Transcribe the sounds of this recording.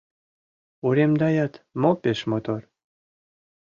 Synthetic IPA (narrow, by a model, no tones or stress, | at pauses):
uɾemd̪ɑjɑt̪mopeʃmot̪or